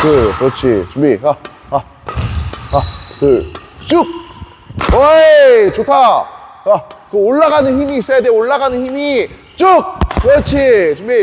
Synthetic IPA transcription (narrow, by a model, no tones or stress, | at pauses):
kɯkɯɾʌt͡ɕʰit͡ɕumija | a | akɯt͡ɕ͈uk̚ | ʌt͡ɕotʰajakɯoɭːaɡanɯnçimiːs͈ʌjadeoɭːaɡanɯnçimi | t͡ɕuk̚kɯɾʌt͡ɕʰit͡ɕumi